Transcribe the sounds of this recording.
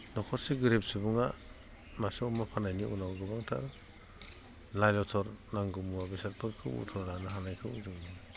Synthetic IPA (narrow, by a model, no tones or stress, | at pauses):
nɔkʰɔseɡɾep̚sibuŋa | maseɔmapʰanajniʔunawɡɯbaŋtʰa̰ɾ | lajlɔtʰɔɾnaŋɡɯmuwabisat̚pʰɯɾkʰɯwṵtʰɔɾlanaɦanajkʰɯwṵzɯŋni